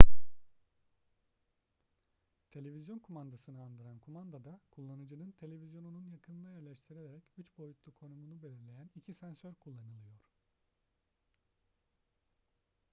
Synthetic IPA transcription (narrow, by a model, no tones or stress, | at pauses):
t̪ʰe̞lʲe̞vʲizjo̞nkʰumand̪asɯnɯand̪ɯɾankʰumand̪ad̪akʰulˠːanɯd͡ʒɯnɯnt̪ʰe̞lʲe̞vizjo̞nununjakʰɯnlˠajæɾlʲɛʃt̪ʰiɾilʲeɾɛcyt͡ʃbo̞jut̪lˠukʰo̞numunubelʲiɾlʲe̞jænicʰisænsøɾkʰulˠːanɯlˠɯjo̞ɾ̥